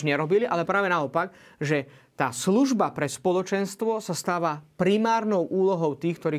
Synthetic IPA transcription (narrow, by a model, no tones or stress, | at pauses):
ɲɛɾɔbiliʔalɛpɾaːʋɛnaɔpak | ʒɛt̪aːsluʒbapɾɛspɔlɔt͡ʃɛnst̪ʋɔsast̪aːʋapɾimaːɾnɔʊʔuːlɔɦɔʊt̪iːk̚t̪ɔɾiː